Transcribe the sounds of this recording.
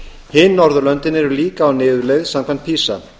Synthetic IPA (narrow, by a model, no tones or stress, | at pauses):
hɪnːɔɾðʏlœnt̪ɪnɛɾʏliːkaːwnɪːðʏlɛɣsamkʰant̪̚pʰiːsa̰